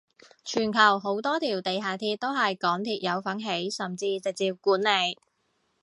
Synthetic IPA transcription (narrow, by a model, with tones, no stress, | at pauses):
t͡ʃʰyː˨˩nkʰɐ˨˩wɦo˨˥wt̪ɔː˥t̪ʰiː˨˩wt̪e˨jɦaː˨t̪ʰiː˧t̚t̪ːo˥wɦɐ˨jkɔː˨˥ŋt̪ʰiː˧t̚jɐ˨˧wfɐ˨˥ŋɦe˨˥jsɐ˨mt͡siː˧t͡sɪ˨k̚t͡siː˧p̚kuː˨˥nle˨˧j